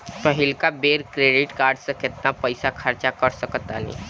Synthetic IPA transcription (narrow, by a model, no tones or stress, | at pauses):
pəɦɪlkabeːɾkɾeːɖɪʈkaːɾɖsə̃kɪt̪̚napəjsakʰəɾt͡ʃakəɾsəkət̪a̰ːlḭ̃